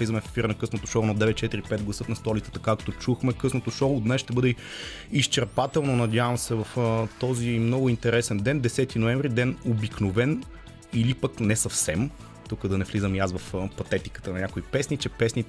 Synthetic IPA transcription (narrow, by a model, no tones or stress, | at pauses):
lizəmɛffiɾnɐkɤsnot̪oʃɔnɐd̪ɛvɛt̪̚t͡ʃɛt̪iɾipɛd̪ɡlˠɐsɤt̪nɐst̪ɔlit̪ə̥t̪ɐkakt̪ot͡ʃuxmɛkɤsnot̪oʃɔːd̪nɛsʃt̪ɛbɤd̪ɛ | ist͡ʃɛɾpat̪ɛlˠnonɐd̪ʲjavəmsɛvɐft̪ɔzimnɔɡʊint̪ɛɾɛsɛnd̪ɛnd̪ɛsɛt̪inoɛ̃ɱvɾid̪ɛnobiknovɛn | ilipəknɛsɐfsɛm | t̪ukəd̪ɐnɛflizəmjasvɐfpɐt̪ɛt̪i̥kə̥t̪ənɐnʲɲʲakoipɛsnit͡ʃɛpɛsni